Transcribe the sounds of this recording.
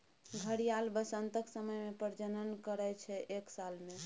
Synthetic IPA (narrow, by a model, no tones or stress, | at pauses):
ɡʱəɽijalbəsənt̪əksəməjmepəɾd͡ʒənənkəɾɛt͡ʃʰɛʔeksalme